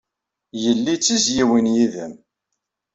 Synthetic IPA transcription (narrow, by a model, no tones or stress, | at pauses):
jəlːit͡sːizjiwinjiðəm